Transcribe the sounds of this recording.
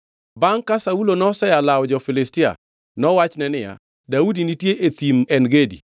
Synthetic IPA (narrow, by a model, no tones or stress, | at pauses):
baŋkasaulonɔsɛjalawd͡ʒɔfɪlɪstɪa̰ | nɔwat͡ʃnɛnɪja̰ | daudinitjeʔet̪imɛnɡedḭ